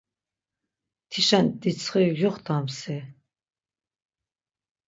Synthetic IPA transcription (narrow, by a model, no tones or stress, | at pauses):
t̪ʰiʃand̪it͡sʰχijɔχd̪amsɛ